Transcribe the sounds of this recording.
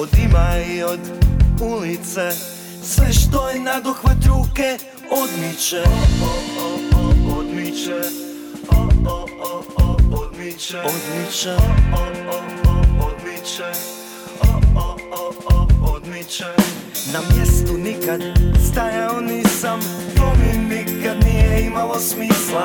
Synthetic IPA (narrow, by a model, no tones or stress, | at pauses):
od̪imaiod̪ulit̪se | sʋɛʃt̪ojenad̪uxʋat̪ɾuːke | od̪mit͡ʃɛ | od̪mit͡ʃ | od̪mit͡ʃod̪mit͡ʃa | od̪mit͡ʃe | od̪mit͡ʃ | namjest̪unikad̪st̪ajaonisamt̪ominikad̪nijeimalosmiːsla